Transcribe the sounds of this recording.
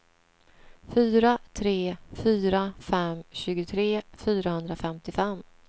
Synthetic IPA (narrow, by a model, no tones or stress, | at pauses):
fyːɾat̪ʰɾeːfyːɾafɛmɕʉ̟ːɡʊt̪ʰɾeːfyːɾahɵnd̪ɾafɛmt̪ɪfɛmː